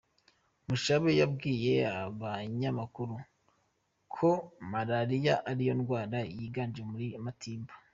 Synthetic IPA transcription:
muʃaβejabɡiːje̞aβaɲamakuɾu | kʰo̞maɾaɾijaʔaɾijo̞nɡwaːɾajiɡaːnd͡ʒemuɾimatʰiːmba

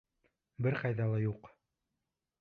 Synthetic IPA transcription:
bɘɾqɑjðɑlˠɑjuq

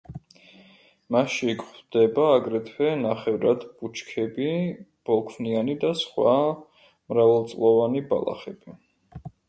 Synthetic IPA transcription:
maʃikχd̪̥ɛbaːɡɾɛt̪ʰwɛnaχɛvɾad̪b̥ut͡ʃʰkʰɛbib̥ɔlˠkʰvnianid̪asχwa | mɾavalˠt̪sʼlˠɔvaniba̰lˠa̰χɛb̥i

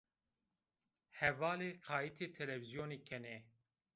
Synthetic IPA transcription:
hɛvɑːleːqʰɑːit̪ʰeːt̪ʰɛlɛvizjoːneːkʰɛnɛː

